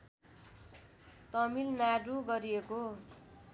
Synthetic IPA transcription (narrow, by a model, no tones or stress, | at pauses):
t̪ʌmilnaɖũɡʌɾieko